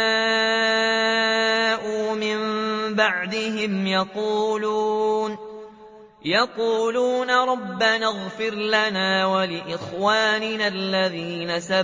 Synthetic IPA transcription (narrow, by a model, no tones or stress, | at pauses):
aː | ʔuːmɪmbaʕd̪ɪhɪmjɑquːlun | jɑquːluːnaɾˤɑbːanaɣfɪɾlanaːwalɪʔɪxwaːnɪnalːaðiːnasa